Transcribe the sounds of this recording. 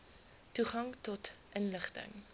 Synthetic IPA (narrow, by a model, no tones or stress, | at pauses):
tuχɐŋtɔtʔənləχtə̰ŋ